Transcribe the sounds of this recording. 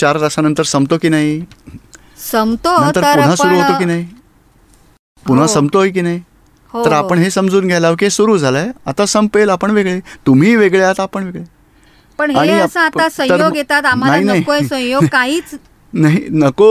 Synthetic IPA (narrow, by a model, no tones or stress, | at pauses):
t͡ɕaɾɾasanənt̪əɾsəmbt̪okiːnaɦi | səmt̪onənt̪əɾpun̤ɦasuɾuːɦookiːnaɦi | puɽ̤ɦasəmbt̪oɦik̬iːnaɦi | ɦot̪əɾapəɳɦesəmd͡zuːnɡʱjalaʋk̬iesuɾuːd͡zʱalaeat̪asəmpelapəɳʋeɡɭet̪um̤iːʋeɡɭeat̪aːpəɳʋeɡɭe | pəɳɦaɽ̃iasə̃at̪asə̃əɾjoɡɡʱet̪at̪am̤anaɦinaɦikoesə̃jokaɦiːt͡s | naɦinəko